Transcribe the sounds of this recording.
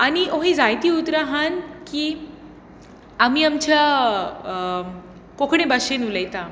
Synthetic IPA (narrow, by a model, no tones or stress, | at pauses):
añioɦĩd͡zajt̪iːut̪ɾaɦankiː | amiːamt͡ɕja | kokʰɳebaɕenuləjt̪a